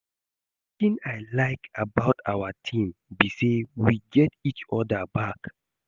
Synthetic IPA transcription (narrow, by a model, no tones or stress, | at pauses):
tĩnajlaɪkʰabaʊtʰawətʰĩmbisewiɡɛtit͡ʃɔdəbak